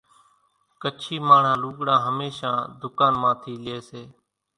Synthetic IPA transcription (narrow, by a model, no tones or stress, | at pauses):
kət͡ʃʰiːmaːɳ̤ãːluːɠɽãːɦəmeːʃãːd̪ʊkaːnmãːt̪ʰiːlɪeːseː